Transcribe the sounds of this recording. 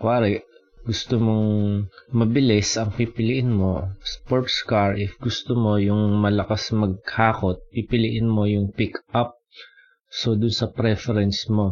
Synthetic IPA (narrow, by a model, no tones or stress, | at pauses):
kwaːɾɛ | ɡʊst̪omoŋ | mɐbɪlɪsʔɐŋpipɪlɪʔɪnmo̞spoɹt̪skaɹʔɪfɡʊst̪omo̞jʊŋmɐlɐkasmɐɡ̚haːko̞t̪̚pipɪlɪʔɪnmo̞jʊŋpɪkʔap̚ | sod̪ʊnsɐpɾɛfɛɾɛnsmo̞